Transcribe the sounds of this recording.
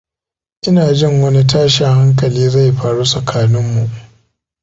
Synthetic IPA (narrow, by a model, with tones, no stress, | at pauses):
ʔɪ˦naː˨d͡ʒɪ˦ŋwɐ˦ni˦taː˦ʃɪ˨ŋha˦ŋk̬ɐ˨liː˦za˦˨jɸaː˨ɽu˦sɐ˨kʰaː˨nɪ˦mːu˨ʔ